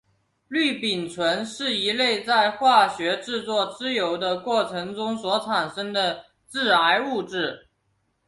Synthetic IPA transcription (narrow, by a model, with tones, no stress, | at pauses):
ly˥˩pi˨˩nt͡sʰwə˧˥nʂɻ̩˥˩i˧˥le˥˧ɪt͡sa˥˧ɪxwa˥˩ɕɥɛ˧˥ʈ͡ʂɻ̩˥˧t͡swɔ˥˩t͡sɹ̩˥jo˧˥ʊd̪ə˧kwɔ˥˩ʈ͡ʂʰɤ˧˥ŋʈ͡ʂʊ˥ŋswɔ˧˥ʈ͡ʂʰa˨˩nʂə˥ŋd̪ə˨ | ʈ͡ʂɻ̩˥˩a˧˥ɪu˥˧ʈ͡ʂɻ̩˥˩